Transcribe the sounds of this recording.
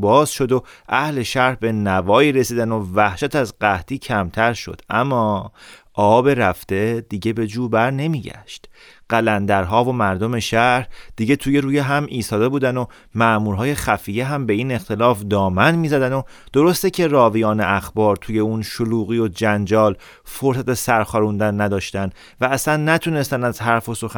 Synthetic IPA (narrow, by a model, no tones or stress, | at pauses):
bɒːz̥ʃo̞d̪oʔæhle̞ʃæɾhbe̞nævɒːiːɾesiːd̪æno̞væhʃæt̪ʰæzɢæht̪iːcʰæmt̪ʰæɾʃo̞̰d̪̥ʔæ̰mːɒːʔɒːbe̞ɾæft̪e̞d̪̥iɟe̞be̞d͡ʒuːbæɾne̞miːɟæ̰ʃt̪ | ɢ̥ælænd̪æɾɦɒːvo̞mæɾd̪o̞me̞ʃæhd̪̥iɟe̞t̪ʰuːje̞ɾuːjeɦæmiːst̪ɒːd̪e̞buːd̪æno̞ | mæʔmuːɾɦɒːje̞xæfiːjeɦæmbe̞iːne̞xt̪ʰe̞lɒːfd̪ɒːmænmiːzæd̪æno̞ | d̪̥oɾo̞st̪ecʰe̞rɒːvijɒːnḛʔæxbɒːɾt̪ʰuːje̞unʃoluːɣiːjod͡ʒænd͡ʒɒːl | foɾsæt̪esæɾxɒːɾund̪ænːæd̪ɒːʃt̪æn | væːslænːæt̪ʰune̞st̪ænæzɦæɾfo̞so̞xæ